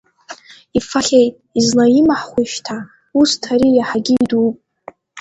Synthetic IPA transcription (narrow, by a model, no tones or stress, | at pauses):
ifaχʲejtʼizlajimaħχʷiʃtʰa | ustʰaɾijaħaɡʲiidupʼ